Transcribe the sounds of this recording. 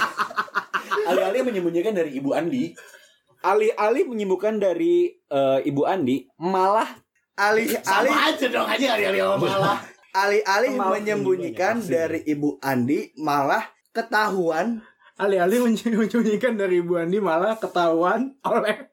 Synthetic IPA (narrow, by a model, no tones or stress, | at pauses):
aliɦalɪhməɲəmbuɲikandaɾiːbuandi | ʔalɪhʔalɪhməɲimbukandaɾiəibuandimalah | ʔalɪhalɪd͡ʒədokaɲaaliɦalialahmalah | alɪhʔalɪhməɲəmbuɲikandaɾiʔːbuʔandimalah | kət̪aɦuan | ʔalɪhalɪhməɲəɲt͡ʃəbuɲikandaɾiːbuandimalahkət̪aɦuanolɛh